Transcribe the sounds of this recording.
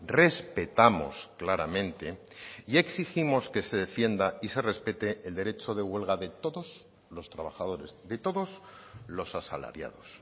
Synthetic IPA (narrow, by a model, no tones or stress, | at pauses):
re̞spe̞t̪amo̞̰sklaɾamẽnt̪e̞ | ie̞ksiximo̞ske̞se̞ðe̞fje̞nd̪aise̞re̞spe̞t̪e̞ːld̪e̞ɾe̞t͡ʃo̞ðe̞ɣwe̞lɣaðe̞t̪o̞ðo̞z | lo̞st̪ɾaβ̞axaðo̞ɾe̞zðe̞t̪o̞ðo̞z | lo̞sasala̰ɾja̰ðo̞s